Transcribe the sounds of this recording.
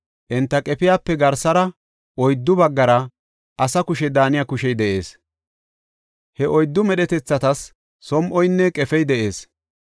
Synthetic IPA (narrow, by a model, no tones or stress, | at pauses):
ʔɛnt̪ːɐkʼɛpɪjaːpːɛɡɐɾsɐɾɐ | ʔɔjd̪ːʊbɐɡːɐɾɐ | ʔɐsɐkʊʃɛd̪aːnɪjaːkʊʃɛjd̪ɛʔe̞̰ːs | hɛʔɔjd̪ːʊmɛɗɛt̪ɛt͡sːɐt̪ɐsː | ɔmʔɔjnːɛkʼɛfɛjd̪ɛʔe̞ːs